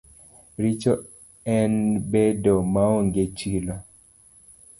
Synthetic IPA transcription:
ɾit͡ʃo | ɛnbedomaoŋɡet͡ʃilo

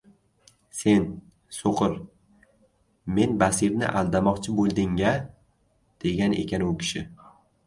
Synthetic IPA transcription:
se̞n | soqɨɾ | me̞nbasɪɾnɪ̰ʔa̰lˠd̪amɒqt͡ʃʰɪbolˠd̪ɪŋːa | d̪̥e̞ɡʲane̞̰kʲanbʊkʲʰɪ̥ʃɪ

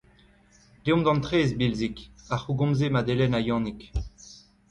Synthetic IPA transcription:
leɔ̃md̪ɑ̃nt̪ʁeːzbilzikaχuɡɔ̃mzemad̪elɛnajɑ̃ːnik

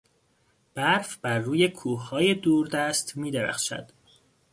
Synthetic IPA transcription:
b̥æɾfbæɾːuːje̞kʰuːhhɒːje̞d̪uːɾd̪æst̪miːd̪eɾæ̰xʃæ̰d̪̥

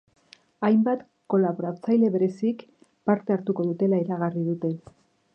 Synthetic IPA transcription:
ajmbat̪ | ko̞laβo̞ɾat͡sajle̞βe̞ɾe̞sik | paɾt̪e̞aɾt̪uko̞ðut̪e̞laeɾaɣ̞arið̞ut̪e̞

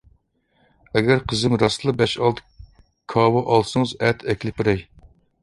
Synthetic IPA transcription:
ɛɡʲæɾqʰəzɪmɾɑslˠbɛʃɑlˠd̪ɨ | kʰɑːwɑʔɑlˠsɨŋɨzɛt̪ʰɛkʲlɪpɪɾɛj

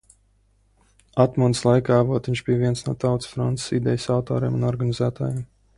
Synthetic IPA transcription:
at̪munslˠajkaːvuɔt̪viɲʲt͡ʃbijvʲiɛnsnuɔt̪awt̪ssfɾɔnt̪ssid̪ɛjsawt̪ɔːɾḭːmunɔɾɡanizæːt̪a̰ːjem

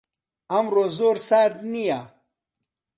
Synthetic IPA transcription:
amɾoːzoːɾsaːɾd̪nija

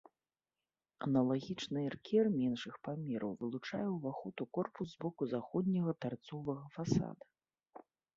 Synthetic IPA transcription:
ɐ̰nɐlˠaɣʲit͡ʂnɨɛrkʲɛrmʲɛnʂɨxpamʲɛɾɐ̰wvɨlˠut͡ʂa̰jɛwvaxɔt̪ukɔrpuszbɔkuzaxɔd̪̚ʲnʲɐɣɐt̪art̪sɔvɐɣɐfasa̰d̪ɐ

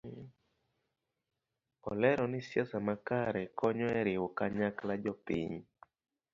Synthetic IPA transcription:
ɔlɛɾɔnɪsjasamakaɾɛkɔɲɔɛɾɪwɔkaɲaklad͡ʒɔpḭɲ

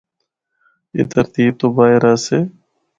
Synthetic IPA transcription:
ḛːt̪əɾt̪iːb̚t̪oːbaːɪɾaːseː

